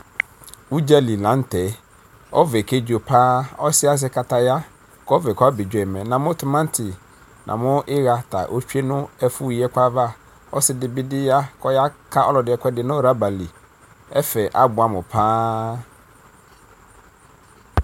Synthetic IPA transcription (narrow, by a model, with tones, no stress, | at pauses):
u˦d͡ʑa˦li˨lã˨˦n˦tʰɛ˨˦ | ɔ˦vɛ˨kʰe˦d͡ʑo˨pʰaː˦ɔ˦sɪ˦a˦s̬ɪ˦kʰa˨tʰa˨ja˦ | kʰɔ˦vɛ˨kʰɔ˦a˦bɪ˨d͡ʑᶣɛ˨mɛ̃˨nã˨mʊ̃˦tʰʊ˨mã˦n˦tʰɪ˨ | nʔã̰˨mʊ̃˦ʔɪ˦ɣa˨tʰa̰˨ʔo˦t͡ɕᶣe˦nʊ̃˦ɛ˦fu˦˨jɛ˦kʷʰa˦va˦ | ɔ˦sɪ˦dɪ˨bɪ˦dɪ˦ja˦kʰɔ˦ja˦kʰa˦ʔɔ˦lɔ˨dɪ˨ɛ˨kʰʷɛ˦dɪ˨nʊ̃˦˨ɾa˦ba˨li˨ | ɛ˦fɛ˨ʔa˦bʊ˨a˨mʊ̃˨pʰaː˦